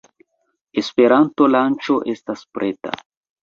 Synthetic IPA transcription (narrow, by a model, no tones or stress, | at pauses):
espeɾant̪olant͡ʃoʔest̪aspɾet̪a̰